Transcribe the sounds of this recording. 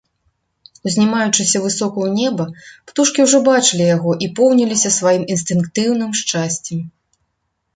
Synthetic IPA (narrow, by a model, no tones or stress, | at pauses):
uzʲnʲimajut͡ʂɨsʲɐvɨsɔkuwnʲɛbɐpt̪uʂkʲiwʐɔbat͡ʂɨlʲijaɣɔʔipɔwnʲilʲisʲɐsvajiminst̪ɨnkt̪ɨwn̪ɨmʂt͡ʂasʲt͡sʲɛm